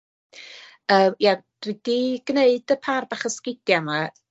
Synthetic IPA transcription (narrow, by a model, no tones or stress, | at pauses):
əːmja | r̥id̥iɡ̥neɨdəpʰarbaχəskɪdjama